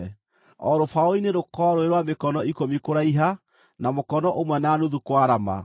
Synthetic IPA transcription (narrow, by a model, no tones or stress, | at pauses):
ɔɾofaoineɾokɔɾoeɾwamekɔnɔikomikoɾaiɦa | namokɔnɔʔomwɛnaːnuðukwaɾama̰